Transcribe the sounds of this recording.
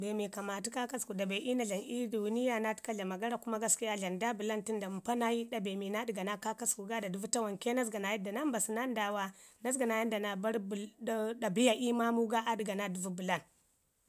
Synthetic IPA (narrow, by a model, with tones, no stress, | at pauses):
be˨mi˨ka˨ma˨tu˦ka˦ka˦sku˨da˨be˨ʔi˦na˨ɮa˨nʔi˦du˨wu˦ni˦ja˦na˦ti̥˦ka˦ɮa˨ma˨ɡa˦ɾa˨ku˦ma˦ɡa˦ski˦ja˦ɮa˨nda˦bu˨la˦nti˦nda˨m˨pa˦na˦ji˦da˨be˨mi˨na˦di˨ɡa˨na˦ka˦ka˦sku˨ɡa˦da˨du˨vu˦ta˦wa˨ŋke˦na˦s̬ɡa˨na˨ji˦da˨na˦mba˨si˨na˦n˦da˨wa˦na˦s̬ɡa˨na˨ji˦nda˨na˨ba˦ɾbda˨bi˦ja˨ʔi˦ma˦mu˦ɡa˦ʔa˦di˨ɡa˨na˦du˨vu˦bu˨la˦n